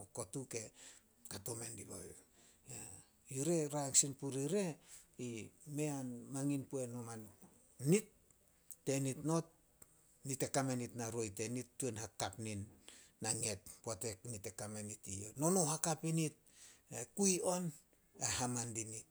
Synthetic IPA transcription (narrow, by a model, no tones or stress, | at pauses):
ko̞tuke̞ | katome̞ndiβo̰j | ja | juɾe̞ɾaŋsinpuɾiɾe̞ime̞anmaŋinpue̞noman | nitː | e̞nitno̞t | nite̞kamenitnaɾo̞jte̞nitːuenhakapninː | aŋe̞t̚puate̞knite̞kamenitiono̞nohakapinit̚ekujo̞n | ehamandini